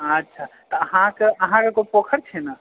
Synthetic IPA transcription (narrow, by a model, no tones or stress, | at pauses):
ətːʃʰat̪ɔəɦãkeʔɐɦãkekopokʰəɾt͡ʃʰɛna